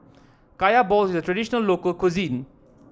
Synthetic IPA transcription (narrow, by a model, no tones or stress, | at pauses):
kajabɔlsidɐtɾedisnɐlːokokʰuzin